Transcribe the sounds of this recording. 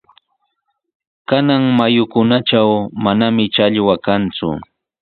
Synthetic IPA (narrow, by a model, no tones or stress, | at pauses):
kanaŋmajʊkʊnaʈ͡ʂawmanamɪt͡ʃaʎwakant͡sʊ̰